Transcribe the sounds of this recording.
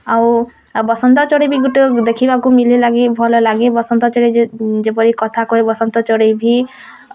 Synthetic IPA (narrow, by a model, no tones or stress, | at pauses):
aw | bɔsɔnt̪ɔt͡ʃɔɽibʱiɡuʈud̪ekʰibakumililaɡibʱɔlɔlaɡibɔsɔnt̪ɔt͡ʃɔɽid͡ʒepɔɾikɔt̪ʰakɔɦebɔsɔnt̪ɔt͡ʃɔɽibʱi